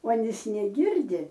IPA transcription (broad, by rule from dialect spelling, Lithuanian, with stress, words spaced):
uɔˈnʲiːs nʲɛˈɡʲɪrʲdʲɪ